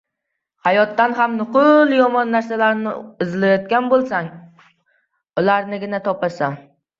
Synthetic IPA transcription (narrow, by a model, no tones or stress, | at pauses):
hajɒt̪ːanɦamnʊqʰʊlˠjɒmɒnːaɾsalaɾnɪɪzlajɒt̪̚kʲanbolˠsaŋ | ʊlaɾnɪɡʲɪnat̪ʰɒpʰasa